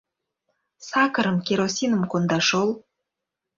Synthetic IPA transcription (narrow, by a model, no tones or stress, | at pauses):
sɑkɤ̆ɾəmkʲeɾosʲinəmkond̪ɑʃolˠ